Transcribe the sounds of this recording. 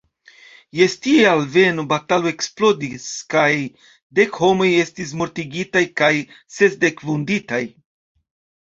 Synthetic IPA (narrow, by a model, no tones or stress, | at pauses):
je̞stiealve̞nobataloe̞ksplo̞diskaj | de̞kho̞mo̞je̞stis̬mo̞ɾtiɡitajkaj | se̞sde̞kvunditaj